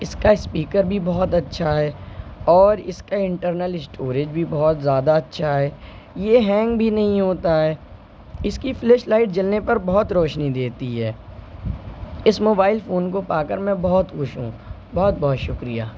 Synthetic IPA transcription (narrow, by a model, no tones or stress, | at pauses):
ɪskaɪspiːkəɾbʱibɔɦɔt̪ɐtːʃʰaɦɛːɔːɾɪskaɪ̃ɳʈəɾnəlɪsʈʰoːɾed͡ʒbʱibɔɦt̪zjaːd̪aɐtːʃʰaɦɛː | jeɦɛ̃ːŋɡbʱinɐɦĩɦoːt̪aɦɛː | ɪskiflɛːʃlaːɪʈ̚d͡ʒɐlnepɐɾbɔɦɔt̪ɾɔːʃnid̪eːt̪iɦɛː | ɪsmoːbaːɪlfoːnkopaːkəɾmɛ̃bɔɦɔt̪kʊʃɦṵ̃ | bɔɦɔt̪̚bɔɦt̪ʃʊkɾija̰ː